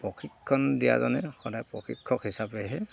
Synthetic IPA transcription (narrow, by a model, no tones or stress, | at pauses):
pɹɔxʰikʰːɔndija̰zɔnɛxɔdajpɔxʰikʰːɔkɦisapɛɦɛ